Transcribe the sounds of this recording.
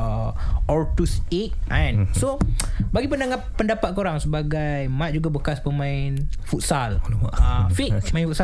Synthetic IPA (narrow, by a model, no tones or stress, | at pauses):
ɔrt̪usek̪̚ɛ̃nsobaɡipəndaŋahpəndapat̪̚koɾaŋsəbaɡajmãt̪̚d͡ʒuɡabəkaspəmãɪnfut̪̚sal | fiʔmãĩnfut̪sa